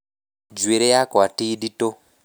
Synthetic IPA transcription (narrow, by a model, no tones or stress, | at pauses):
d͡ʒweɾejakatiːɗito